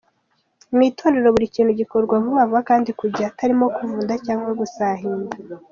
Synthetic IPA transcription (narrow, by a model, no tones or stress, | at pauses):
umitʰo̞ːneɾe̞ɾo̞βuɾiciːn̤̥huɟiko̞ɾɡwaβuβavakaːndikuɟaːtaɾimo̞kuvuːndacaːŋɡweɡusaːɦiːnda